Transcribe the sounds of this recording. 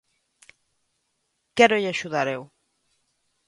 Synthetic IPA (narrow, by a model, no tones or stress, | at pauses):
kɛɾoʎaʃuðaɾew